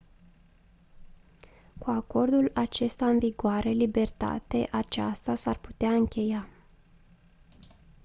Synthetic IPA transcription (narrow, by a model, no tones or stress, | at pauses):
kuako̞rd̪ulat͡ʃe̞st̪aɨnviɡoaɾʔe̞libe̞rt̪a̰t̪e̞ʔat͡ʃast̪asarpu̥t̪eaɨŋkʲe̞ja